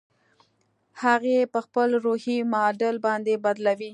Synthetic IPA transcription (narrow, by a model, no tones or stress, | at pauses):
haɣepəxpəlɾohimɑɖəlbɑnd̪ebad̪lawi